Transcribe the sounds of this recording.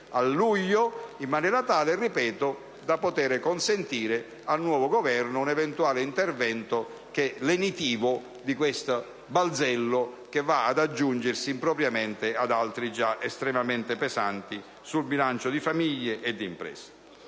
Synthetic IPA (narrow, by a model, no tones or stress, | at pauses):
alːujːoimːanɛːɾat̪aːleripɛːt̪o | d̪apot̪ɛːɾekonsent̪iːɾɪ | alnwɔːvoɡovɛrnʊunɛvɛnt̪uaːlɪint̪ervɛnt̪ʊ | k̟elenit̪iːvʊ | d̪ikwest̪ | bald̪zɛlːʊ | k̟evːaad̪ad͡ʒːund͡ʒɪrsiːmpɾɔpɾjamɛnt̪ɪad̪alt̪ɾid͡ʒaʔest̪ɾɛmament̪epɛzant̪i | sulbilant͡ʃod̪ifamiʎːeʔːd̪ːimpɾɛ̰ːse̥